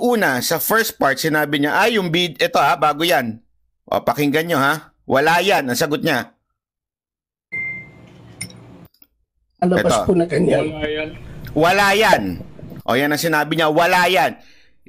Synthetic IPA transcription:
ʔuːnɐsɐfɛɹst̪̚paɹt̪̚sɪnaːbɪɲaʔɐjʊŋbid̪ʔɛt̪o̞habaːɡojan | ʔo̰pɐkɪŋɡɐnɲo̞ha | wɐlaːjanɐŋsɐɡot̪̚ɲa | ɐlɐɛ̰tbasopʊnɐkɐnajwɐlaːjanʔo̞̰ːjanːɐŋsɪnaːbɪɲawɐlaːjan

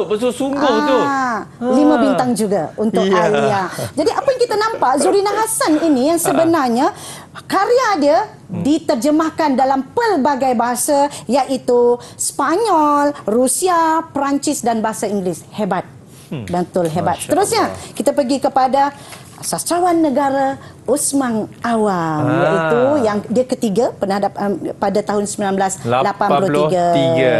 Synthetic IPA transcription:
bət̪usuŋɡʊ | limãbint̪aŋd͡ʒuɡa̰unt̪ʊkaliad͡ʒadiʔapajaŋkit̪anãmpaʔzuɾinaɦasaninijaŋsəbənarɲa | kaɾiada | dit̪ərd͡ʒəmahkandalampərbaɡajbaɦasajaʔit̪uspaɲɔlrusiapɾaɲt͡ʃɪsdanbaɦasaiŋɡlɪshebat̪̚ | bənt̪ʊlɦebat̪t̪əɾʊsɲakit̪apəɡikəpada | sastɾawanːə̃ɡaɾa | usmaŋʔawamjaʔit̪ujaŋdiakət̪iɡapənahadappadat̪aɦʊnsəmbilanblaslapanpulʊht̪iɡaɡ

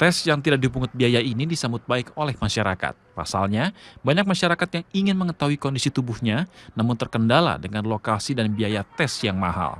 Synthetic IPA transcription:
t̪ɛsjaŋt̪idaʔk̚dibuŋʊt̪̚biajainidisambʊt̪̚baɪkolɛhmaʃaɾaka̰t̪̚pa̰salɲabaɲak̚maʃaɾakat̪jaŋiŋɪnməŋət̪aɦuikondisit̪ubuhɲanamʊnt̪ərkəndala̰dəŋanlokasidanbiajat̪ɛsjaŋma̰ɦa̰l

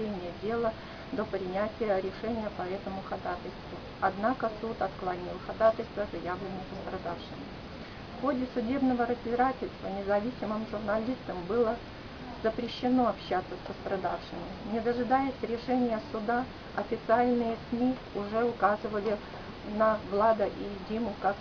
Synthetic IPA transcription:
enʲɪjədʲe̞lˠə | d̪opɾʲɪnʲætʲɪjəɾʲɪʂɛnʲɪjəpɐɛt̪əmʊxɐd̪at̪əlʲst̪vʊ | ɐd̪nakəsut̪ɐt̪klˠɐnʲilˠxɐd̪at̪əlʲst̪vəzɐjavlʲɪnːəpəst̪ɾɐd̪afʂɨmʲɪ | fxo̞dʲɪsʊdʲe̞bnəvəɾəzʲbʲɪɾatʲɪlʲst̪vənʲɪzɐvʲisʲɪmɨmʐʊrnɐlʲist̪əmbɨlˠə | zəpɾʲɪɕːɪno̞ɐpɕːat̪sːəsʲpəst̪ɾɐd̪afʂɨmʲɪnʲɪd̪əʐɨd̪ajɪsʲɾʲɪʂɛnʲɪjəsʊd̪a | ɐfʲɪt̪sɨalʲnɨjəsmʲi | ʊʐɛʊkazɨvəlʲɪ | nɐɡlˠad̪əʔidʲimʊkak

